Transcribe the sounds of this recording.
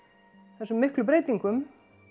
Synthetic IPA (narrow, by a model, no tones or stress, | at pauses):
θɛsʏmːɪhklʏp̬ɾeːjt̪iŋkʏm